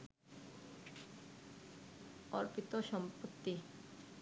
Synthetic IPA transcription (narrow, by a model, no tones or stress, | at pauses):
ɔ̰ɾpit̪oʃɔmpot̪ːi